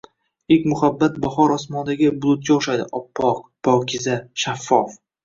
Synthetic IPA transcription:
ekʲmʊχabːat̪̚baχɒɾɒsmɒnd̪aɡʲɪbʊlˠʊt̪̚kʲaʊʃajd̪ɪʔɒpʰːɒq̚pʰɒkʰʲɪzaʃafːɒf

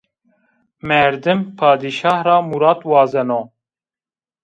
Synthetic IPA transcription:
mɛɾd̪ɨmpʰɑːd̪iʃɑːhrɑːmuɾɑːt̪wɑːzɛnoː

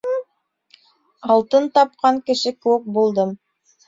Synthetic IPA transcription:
ɑlˠt̪ɤnt̪ɑp̚qɑŋkɘ̆ʃɘkɘɘk̚bulˠd̪ɤm

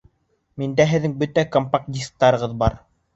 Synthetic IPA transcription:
mind̪æɦɘ̆ðːɘŋbɵt̪ækompak̚d̪ʲisk̚t̪ɑɾɤ̆ʁɤðbɑɾ

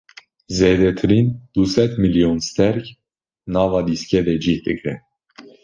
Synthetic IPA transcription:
zɛd̪ɛt̪ʰɾind̪̥usɛt̪ʰmiljɔnst̪ɛɾkʰ | nɑvɑd̪iskɛvɛd͡ʒit̪əɡɾɛ

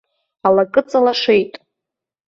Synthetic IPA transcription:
alakʼɨt͡sʼalaʂe̞jtʼ

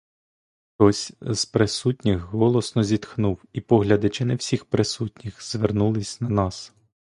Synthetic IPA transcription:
xt̪ɔsʲz̥pɾɪsutʲnʲɪxɦɔlˠɔsnɔzʲid̪xnuwipɔɦlʲɐd̪ɪt͡ʃɪnɛwsʲixpɾɪsutʲnʲixzʋernulˠɪsʲnɐnɑs

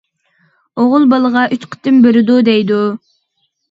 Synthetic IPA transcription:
oʁʊlˠbɑlˠəʁɑʔyt͡ʃqʰə̥t̪ːɪmbɪɾɪd̪ud̪ɛjd̪u

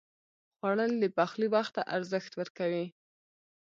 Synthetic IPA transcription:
xwɑɽənləpaxlibaxt̪a̰ʔaɾzəxt̪wəɾkawi

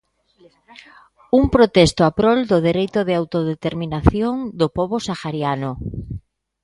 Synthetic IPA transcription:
umpɾot̪est̪oapɾold̪oðeɾejt̪oðeawt̪oðet̪eɾminaθjoŋd̪opɔβosaxaɾjano

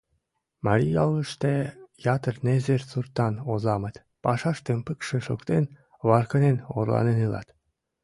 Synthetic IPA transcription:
mɑɾʲijɑlˠːəʃt̪ejɑt̪ərnezert͡surt̪ːɑnozɑmət̪ | pɑʃɑʃt̪empɨkʃə̆ʃokt̪en | βɑrkəneno̰rlɑ̰nenɯlɑ̰t̪

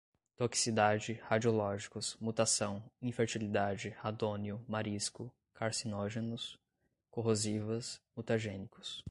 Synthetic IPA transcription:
t̪oki̥sid̪ad͡ʒɪhad͡ʒiolɔʒikʊsmut̪asɐ̃w̃ĩfeɾt͡ʃilid̪ad͡ʒɪhad̪õniʊmaɾiskʊ | kʰaɾsinoʒenʊs | koɦozivɐsmut̪aʒẽnikʊ̥s

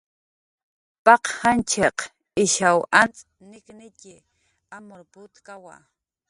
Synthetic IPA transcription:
pɑqhant͡ʃeq | ɪʃawant͡sʼ | nɪknɪcɪ | amoɾpʊt̪kawa̰

